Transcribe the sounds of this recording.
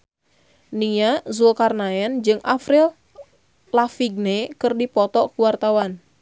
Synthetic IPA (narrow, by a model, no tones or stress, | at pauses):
niazulkarnaɛnd͡ʒɨŋʔafɾil | lafiɡ̚nekɨrdipɔt̪ɔkuwart̪awan